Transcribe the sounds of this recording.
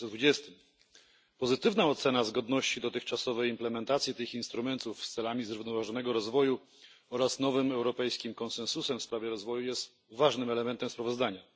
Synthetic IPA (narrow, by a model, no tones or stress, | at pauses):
d̪vud͡ʑɛst̪ɘm | pɔzɘt̪ɘvnaɔt̪sɛnazɡɔd̪nɔɕt͡ɕid̪ɔt̪ɘxt͡ʂasɔvɛjimplɛmɛnt̪at̪sʲjit̪ɘxinst̪ɾumɛnt̪ufst̪sɛlamʲizɾuvnɔvaʐɔn̪ɛɡɔɾɔzvɔju | ɔɾasnɔvɘmɛwɾɔpɛjskʲimkɔnsɛnsusɛmfspɾavʲjɛɾɔzvɔjujɛst̪ | vaʐnɘmɛlɛmɛnt̪ɛmspɾavɔzd̪aɲa